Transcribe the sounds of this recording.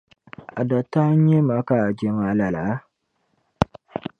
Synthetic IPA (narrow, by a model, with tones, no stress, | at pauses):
a˨da˨ta˦ɲ˦e˦ma˨˦ka˦a˨d͡ʒe˦ma˨˦la˨la˨˦